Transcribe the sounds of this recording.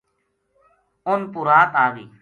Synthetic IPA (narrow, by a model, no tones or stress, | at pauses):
ʊnpuɾaːt̪aːʋiː